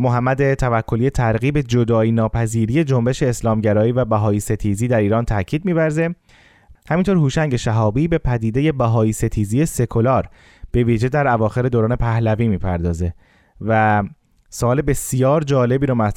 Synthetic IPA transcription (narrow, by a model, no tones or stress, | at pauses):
moɦæmːæd̪et̪ʰævækʰːo̞lije̞t̪ʰæɾɣiːbe̞d͡ʒod̪ɒːiːnɒːpʰæziːɾiːje̞d͡ʒo̞mbe̞ʃe̞ːslɒːmɟæɾɒːiːvæbæɦɒːiːse̞t̪ʰiːziːd̪æɾiːɾɒːnt̪ʰæcʰiːd̪̚miːvæɾze | hæmint̪oɾhuːʃæŋɟe̞ʃæɦɒːbiːbe̞pʰæd̪iːd̪e̞je̞bæɦɒːiːse̞t̪ʰiːzije̞se̞kʰolɒːɾ | b̥e̞viːʒe̞d̪æɾævɒːxe̞ɾe̞d̪oːɾɒːne̞pʰæhlæviːmiːpʰæɾd̪ɒːze̞ | væ | soɒːle̞be̞sijɒːɾd͡ʒɒːle̞biːɾɔːmæ